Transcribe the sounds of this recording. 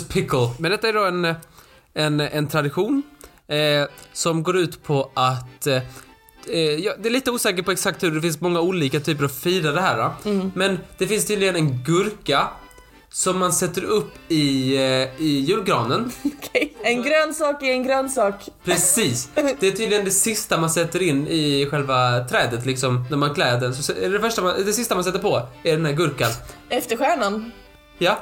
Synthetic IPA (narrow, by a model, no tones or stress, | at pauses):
pʰɪkəlmɛnd̪ɛt̪ːaæɖɔɛn | ɛnɛnt̪ʰɾad̪ɪɧuːn | sɔmɡoːɾʉ̟ːt̪pʰɔʔat̪ | jɑd̪ɛæɭiːt̪əuːsɛːkəʈpɔɛksak̚t̪hɵɖɛfɪnsmɔŋːauːliːkat̪ʰyːp̬əɾavfiːɾad̪ɛɦæːɾamɛnd̪̥ɛfɪnst̪ʰyːd̪lɪɡənɛnɡɵɾka | sɔmːansɛt̪ːəɾɵpːɪ | ɪjʉ̟ːlɡɾɑːnənkʰɛnɡɾœːnsɑːkɪɛnɡɾœːnsɑːkpʰɾɛsiːsd̪ɛæʈʰyːd̪lɪɡənd̪ɛsɪst̪amansɛt̪ːəɾɪnːɪɧɛlvat̪ʰɾɛːd̪ət̪lɪksɔmnæɾmankʰlɛːd̪əɾsɔsɛɛɖɛfœʂʈamad̪ɛsɪst̪amansɛt̪ːəɾpʰɔæɖɛnɦæːɾɡɵɾkanɛft̪əɾɧæːɳan | jɑ